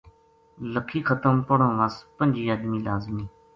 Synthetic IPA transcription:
ləkʰiːxʰət̪əmpəɽõːʋəspə̃nʲd͡ʒʱiːəːd̪miːlaːzmĩː

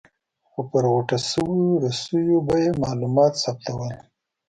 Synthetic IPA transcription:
xopəɾɣaʈasəwɾasəjobajemɑlumɑt̪sap̚t̪awəl

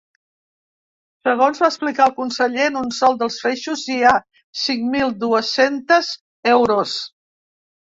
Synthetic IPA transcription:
səɣ̞onzβaəsplikaəlˠkunsəʎeənunsɔlˠd̪əlˠsfeʃuzia | siŋmilˠd̪uəsent̪əz | ɛwɾos

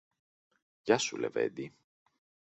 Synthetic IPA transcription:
ʝɐsulḛve̞̰d̪i

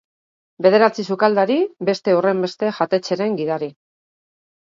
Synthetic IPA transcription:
be̞ð̞e̞ɾat͡sisukald̪aɾibe̞st̪e̞ore̞mbe̞st̪e̞ʝat̪e̞t͡se̞ɾe̞ŋɡiðaɾi

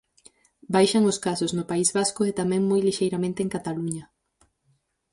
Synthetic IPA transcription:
bajʃaŋoskasoznʊpaizβaskʊet̪amɛ̃ŋmojliʃejɾamẽnt̪eŋkat̪aluɲɐ

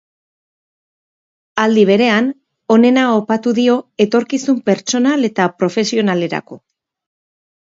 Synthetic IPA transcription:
ald̪iβ̞e̞ɾe̞an | o̞ne̞naopat̪uðio̞e̞t̪o̞ɾkisumpe̞ɾt͡ʃo̞nale̞t̪apɾo̞fe̞sio̞nale̞ɾa̰ko̞

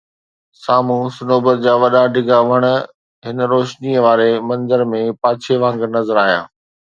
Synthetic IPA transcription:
saːmũsʊnoːbəɾd͡ʑaːʋɐɗaɖʱɪɡaʋɐɽ̃ə̆ | ɦɪnɾoːʃniːəʋaːɾemɐ̃nzəɾmẽpaːt͡ɕʰeʋãːŋɡnɐzəɾaːɦija̰ː

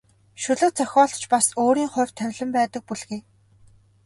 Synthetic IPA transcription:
ʃʊɮə̆qt͡sœxʲɔːɮt͡ɕpasoːɾiːŋχʊ̟r̥ʲt̪ʰːœwʲɮɘ̆mpæːt̪ə̆k̚puɮɣeː

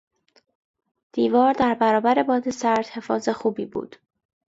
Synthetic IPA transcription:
d̪̥iːvɒːɾd̪æɾbæɾɒːbæɾe̞bɒːd̪e̞sæɾd̪̥he̞fɒːze̞xuːbiːbṵːd̪̥

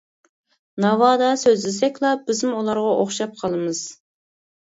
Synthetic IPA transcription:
nɑwɑːd̪ɑsøzlɪsɛkʲlˠɑb̥ɪzɪmulˠɑɾʁɑʔoχʃɑp̚qʰɑlˠɨmɨz̥

